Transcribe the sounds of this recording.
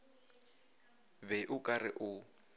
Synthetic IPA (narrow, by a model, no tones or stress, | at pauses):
βɛʔʊkʼarɪʔʊ